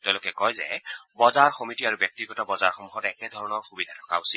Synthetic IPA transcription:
tɛʊ̃lokɛkɔjzɛ̰bɔzaɹxɔmitiaɹubjɔk̚tiɡɔtabɔzaɹxɔmuxɔtɛkɛdʱɔɹɔnɔɹxubidʱatʰɔ̥kausil

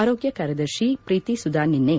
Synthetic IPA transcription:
aːɾoːɡjɐkaːɾjɐd̪ɐɾʃipɾiːt̪isud̪ʱaːninːe

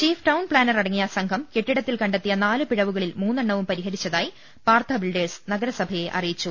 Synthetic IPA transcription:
t͡ɕiːfʈɐwnpɭaːnɐrɐɽɐŋːijɐsɐŋɡʱɐmkeʈːiɽɐt̪ːilkɐɳɖet̪ːijɐnaːlɨpiɻɐʋuɣɐɭilmuːnːɐɳːɐʋumpɐɾiɦɐɾit͡ɕːɐðaːji | paːrt̪ʰɐbiɭɖeːsnɐɡɐɾɐsɐbʱɐje̞ʔɐ̰rijit͡ɕːu

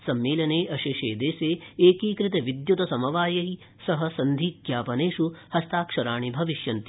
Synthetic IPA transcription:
sɐmːeːlɐneːʔɐʃeːʃḛːd̪eːseːeːkiːkɾɪt̪ɐʋid̪jut̪ɐsɐmɐʋaːjɐɦi | sɐɦɐsɐnd̪ʱiːkjaːpɐneːʂuhɐst̪aːkʂɐɾaːɳibʱɐʋiʃjɐnt̪i

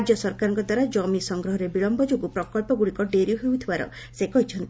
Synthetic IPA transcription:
d͡ʒɔsɔɾkaɾɔŋkɔd̪waɾad͡ʒɔmisɔŋɡɾɔɦɔɾebiɭɔmbɔd͡ʒoɡupɾɔkɔlpɔɡuɽikɔɖeɾijuɦewt̪ʰibaɾɔ̰ | sekɔɦit͡ʃʰɔnt̪

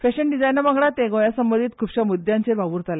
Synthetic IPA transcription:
feɕəɳɖid͡zajnəmaɡɽat̪ẽɡojasəmbənd̪iːt̪̚kʰuːpɕamud̪jãɲt͡ɕeɾbaʋuːɾt̪ale

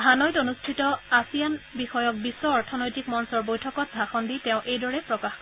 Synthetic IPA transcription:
anɔjtonustʰitɔasijanbixɔjɔk̚bisɔɔɹtʰɔnojtikmɔnsɔɹbojtʰɔkɔt̚ɡʱaxɔnditɛ̃ʊ̃ʔejdɔɹɛpɹɔkax

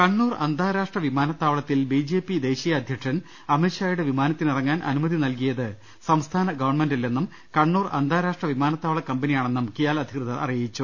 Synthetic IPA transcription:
kɐɳːuːrɐ̰nd̪ʱaːɾaːʂʈrɐʋimaːnɐt̪ːaːʋɭɐt̪ːilbid͡ʑe̞ːpːid̪e̞ːɕijɐːd̪ʱjɐkʂɐn | ɐmeɕaːjuɽe̞ʋimaːnɐt̪ːinirɐŋːaːnʔɐ̰numɐðinɐlkijɐðɨ | sɐmst̪ʰaːnɐɡɐʋɐrɳmendilːe̞nːum | kɐɳːuːrɐ̰nd̪ʱaːɾaːʂʈrɐʋimaːnɐt̪ːaːʋɭɐkɐmbɐnijaːɳe̞nːumkijaːlɐd̪ʱikrɨðɐɐ̰rijit͡ɕːu

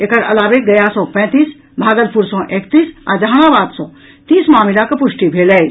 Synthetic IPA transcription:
ekəɾɐ̰laːʋeɡɐjasɔ̃pɛ̃ːt̪iːs | bʱaːɡəɾpuɾsɔ̃ʔekt̪iːsa̰d͡ʒəɦaːɽ̃abaːd̪sɔ̃ | t̪iːsmaːmilakepʊʃʈibʱeːlə

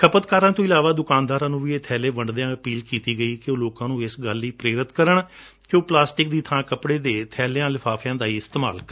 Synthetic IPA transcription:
kʰəpət̪kaːɾãːt̪õːɪlaːʋaːd̪ʊkaːnd̪aːɾãːnũːʋiːeːt̪ʰɛːleːbəɳɖd̪eãːəpiːlkiːt̪iːɡəiːkɪõːloːkãːnũːɪsɡəliːpɾeːɾət̪kəɾəɳ | kjõːplaːsʈɪk̚d̪iːt̪ʰãːkəpɽeːd̪eːt̪ʰɛːlejãːlɪpʰaːfʰjãːd̪aːiːɪst̪eːma̰ːlk

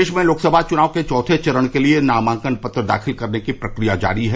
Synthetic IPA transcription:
eːʃmẽloːksəbʱat͡ʃʊnaːʋket͡ʃɔːt̪ʰet͡ʃɐɾəɽ̃kelienaːmãːŋkənpɐt̪ɾəd̪a̰ːxʰɪlkɐɾnekipɾɐkɾijad͡ʒa̰ːɾiɦɛ

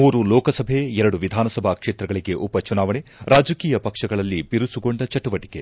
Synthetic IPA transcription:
muːɾulɔːkɐsɐbʱe̞ɛɾɐɽuʋid̪ʱaːnɐsɐbʱakʂeːt̪ɾɐɡɐɭiɡe̞ʔupɐt͡ʃunaːʋɐɳeɾaːd͡ʒɐkiːjɐpɐkʂɐɡɐɭɐlːibiɾusuɡo̞ɳɖɐt͡ʃɐʈuʋɐʈi̥ke̞

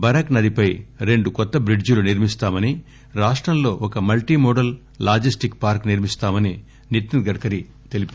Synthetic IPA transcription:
bɐɾɐknɐd̪ipɐjɾe̞ɳɖukɔt̪ːɐbɾiɖd͡ʒuluniɾmist̪aːmɐni | ɾaːʂʈɾɐmlo̞ːʔɔkɐmɐlʈimɔːɖɐlː | aːd͡ʒisʈikpaːɾkniɾmist̪aːmɐni | niɾt̪iɡɐɽkɐɾi | t̪e̞lip

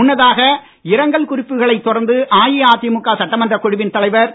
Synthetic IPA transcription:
ʊnːɐðaːɣɐ | ɪɾɐŋɡɐɭkʊrɪpːɯɣɐɭɐɪt̪ːɔɾɐɾnd̪ɯʔaːjiaːt̪ːɪmʊkːaːsɐʈːɐmɐndrɐkʊɻɪʋɪnt̪ɐlɐɪʋɐɾ

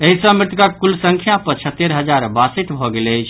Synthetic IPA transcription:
eɦisə̃mɾit̪kak̪̚kulsəŋkʰjapət͡ʃʰət̪ːeɾɦəd͡ʒaɾbasit̪bʱɔɡeləjt͡ʃʰ

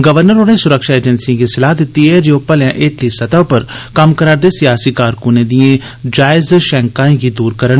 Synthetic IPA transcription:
ɡəʋəɾnəɾoːnẽːsʊɾəkʃaːeːd͡ʒənsiãɡisɪlaːɦd̪ɪt̪ːiɦɛːd͡ʒoːpəljãːʔeːʈ̪lisət̪apəɾkəmkəɾaːɾd̪eːsɪjaːsiːkaːɾkʊnẽːd̪ijẽ | d͡ʒaːɪzʃɛ̃ːŋkãːẽːɡiːd̪uːɾkəɾəɳ

